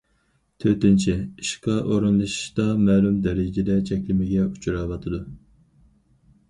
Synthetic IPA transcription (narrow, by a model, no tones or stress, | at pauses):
t̪ʰøt̪ɪnt͡ʃʰiiʃqʰɑʔoɾunlˠɨʃʃt̪ɑmɛːlumd̪ɛɾɪd͡ʒɪd̪ɛt͡ʃʰɛkʲlɪmɪɡʲɛut͡ʃʰuɾɑwɑt̪ʰɨd̪u